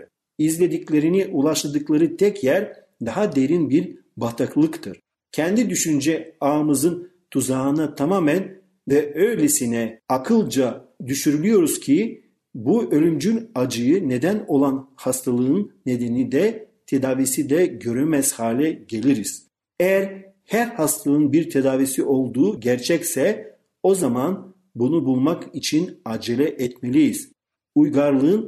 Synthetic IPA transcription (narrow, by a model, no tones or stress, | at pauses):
izlʲe̞d̪iclʲe̞ɾiniʔulˠaʃlˠad̪ɯklˠaɾɯt̪ʰɛcʰjæɾ | d̪aɦad̪e̞ɾinbiɾ | bat̪ʰaklˠɯkt̪ʰɯɾ̥ | cʰɛnd̪id̪yʃynd͡ʒɛaːmɯzɯn | t̪ʰuzaːnat̪ʰamaːmæn | vɛøjlʲesinɛakʰɯlˠd͡ʒad̪yʃyɾylʲyjo̞ɾuz̥cʰi | buø̞lʲymd͡ʒynad͡ʒɯjɯne̞d̪æno̞lˠanhast̪ʰalˠɯɯnːe̞d̪e̞nid̪ɛt̪ʰe̞d̪aːvisid̪ɛɟø̞ɾymɛz̥haːlʲɛɟe̞lʲiɾiz̥ | ejæɾ | hæɾhast̪ʰalˠɯnbiɾt̪ʰe̞d̪aːvisiʔo̞lˠd̪uːɟæɾt͡ʃʰɛcsɛ | o̞zaman | bunubulˠmakit͡ʃʰinaːd͡ʒelʲɛʔɛt̪me̞lʲijiz̥ | ujɡaɾlˠɯɯn